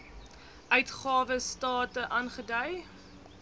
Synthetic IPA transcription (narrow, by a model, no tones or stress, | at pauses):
ʔœɥtχɑːvəstɑːtəʔɑnχədœj